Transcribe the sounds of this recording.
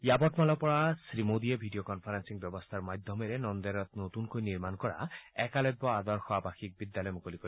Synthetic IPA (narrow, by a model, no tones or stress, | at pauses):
jabɔʈmalɔpɔɹasɾimod̪iebʱiɖijokɔnpʰaɾansiŋbjɔbɔst̪ʰaɹmad̪ʱːɔmeɾenɔnd̪ɔɾɔt̪̚not̪unkojniɾmankɔɹa̰ɛkalɔj̚bɔad̪ɔɹxɔabaxik̚bid̪ːalɔjmukolikɔ